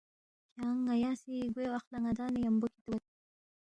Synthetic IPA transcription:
kɑŋajɑsiɡwewaxlaŋad̪ɑnejambokit̪wat̪

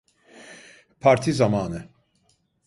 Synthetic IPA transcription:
pʰaɾt̪ʰizamaːnɯ

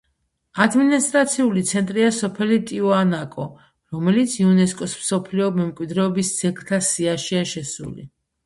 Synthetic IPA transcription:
ad̪minist̪ʼɾat̪sʰiulit̪sʰɛnt̪ʼɾiasɔpʰɛlit̪ʼiɔanakʼɔ | ɾɔmɛlit̪sʰiunɛskʼɔsmsɔpʰliɔmɛmkʼwid̪ɾɛɔbist̪sʰɛkʰt̪ʰasiaʃiaʃɛsṵlḭ

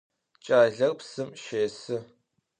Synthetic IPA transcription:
t͡ʃʼaːɮɐrpsɨmʃeːsɨ

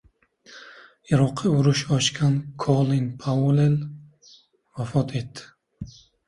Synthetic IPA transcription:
ɪɾɒqʰːiʊɾʊʃɒʃkʲʰankʰolˠinpʰawolel | vafɒt̪ʰe̞t̪ːɪ̥

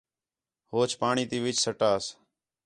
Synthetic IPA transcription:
hoːt͡ʃʰpaːɳiːt̪iːʋɪt͡ʃsəʈaːs

